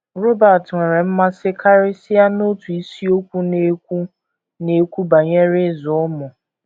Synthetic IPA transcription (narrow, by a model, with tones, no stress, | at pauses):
ɾo˦ba˨tŋʷe˨ɾe˨m̩˦ma˦sɪ˦kʰa˦ɾɪ˦sɪ˦a˦no˦tu˨i˦si˦o˦kʷu˦ne˦u˦ | ne˨kʷu˦ba˨ɲe˦ɾɪ˦zɔ˨ɔ˦mʊ˨